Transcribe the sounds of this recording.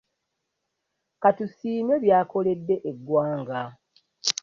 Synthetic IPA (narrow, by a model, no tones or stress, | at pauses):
katusiːme̞βjaːko̞le̞dːe̞ʔeɡwaːŋɡa